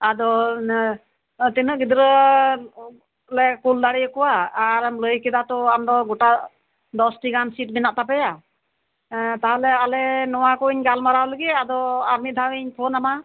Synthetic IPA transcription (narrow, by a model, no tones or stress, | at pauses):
ad̪ɔ | t̪inəʔɡid̪ɾə | lɛkuld̪aɽɛjəkɔwaːɾmləjkɛd̪at̪ɔamd̪ɔɡɔʈa | d̪ɔsʈiɡansiʈ̚binaʔt̪apɛja | t̪aɦɔlɛalɛnɔwakɔiɲɡalmaɾawləɡɛad̪ɔaɾmit̪̚d̪awiɲpʰɔnama